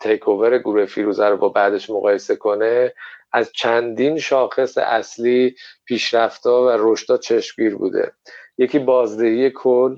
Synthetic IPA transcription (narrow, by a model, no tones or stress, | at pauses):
t̪ʰejkʰo̞veɾe̞ɡuɾuhefiːɾuːzæɾobɒːbæd̪e̞ʃmoɣɒːje̞se̞kʰo̞ne̞æzt͡ʃʰænd̪inʃɒːxe̞sḛʔæsliːpʰiːʃɾæft̪ɒːvæɾo̞ʃt̪ɒːt͡ʃʰe̞ʃmɡiːɾbṵːd̪e̞̰je̞cʰiːbɒːzd̪e̞hije̞kʰol